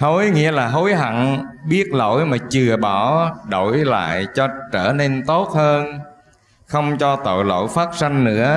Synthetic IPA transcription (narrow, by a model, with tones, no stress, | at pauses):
ho˨˦jŋḭ˧˥əlaː˨˩ɦo˨˦jɦa̰˧˨ŋɓi˦˥ət̚lo̰˧˥jmaː˨˩t͡ɕɨ˨˩əɓɔ˧˩ɗo̰˧˨jla̰ː˧˨jt͡ɕɔ˧t͡ɕəː˧˩ne˧nt̪o˦˥t̚həː˧n | xə˧wŋ͡mt͡ɕɔ˧t̪o̰˧˨jlo̰˧˨jfaː˦˥t̚sa˧ŋ̟nɨ̰˧˥ə